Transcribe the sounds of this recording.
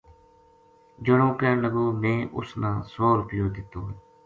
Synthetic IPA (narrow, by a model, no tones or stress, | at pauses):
d͡ʒəɽõːkəːləɡoːmẽːʔʊ̰snãːsoːɾpɪjõːd̪ɪt̪ːõːɦ